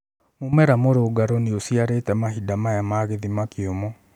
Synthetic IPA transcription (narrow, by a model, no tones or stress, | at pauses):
momɛɾamoɾoɡaɾɔneosiaɾeːtɛmaɦidamajamaːɣeðimakeomɔ